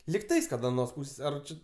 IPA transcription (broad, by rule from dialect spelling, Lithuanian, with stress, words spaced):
lʲɪkˈtɐɪs kɐt ɐˈnoːs ˈpuːsʲeːs ˈɐr ˈt͡ʃʲɪ